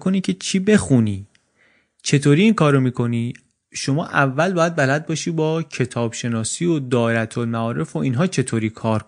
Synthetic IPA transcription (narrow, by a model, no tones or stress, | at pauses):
koniːcʰe̞t͡ʃʰiːbe̞xuniː | t͡ʃʰe̞t̪ʰoːɾiːiːnkʰɒːɾomiːkʰo̞niː | ʃo̞mɒːʔævːælbɒːjæd̪̚bælæd̪̚bɒːʃiːbɒːcʰe̞t̪ʰɒːb̥ʃe̞nɒːsiːod̪ɒːeɾæt̪ʰolmæɒːɾe̞foʔiːnɦɒːt͡ʃʰe̞t̪ʰoːɾiːkʰɒːɾk